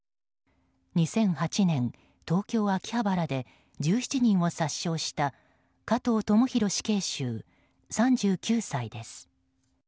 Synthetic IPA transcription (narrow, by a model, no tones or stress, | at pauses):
ɲ̟isẽ̞ɰ̃hat͡ɕinẽ̞n | t̪o̞ːkʲo̞ːakʲi̥habaɾad̪e̞ | d͡ʑɨːçi̥t͡ɕiɲ̟ĩɰ̃o̞saɕːo̞ːɕi̥t̪a | kat̪o̞ːt̪o̞moçiɾo̞ɕi̥ke̞ːɕɨː | sãɲd͡ʑɨːkʲɨːsaid̪e̞sɨ̥